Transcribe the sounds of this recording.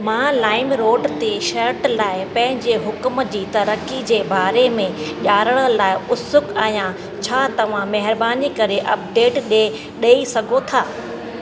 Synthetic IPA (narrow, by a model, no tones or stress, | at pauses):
mãːlaːɪmɾoːɖt̪eʃɐɾʈlaːɪpɐ̃ɦɪ̃ɲd͡ʑeɦʊkmd͡ʑiːt̪ɐɾəkid͡ʑeːbaːɾemẽʄaːɾəɽ̃əlaːɪʊsʊkaːɦijã | t͡ɕʰaːt̪ɐʋ̤ãmɐɦɪɾbaːnikɐɾeʔɐp̚ɖeːʈɗe | ɗeːisɐɡʱot̪ʰaː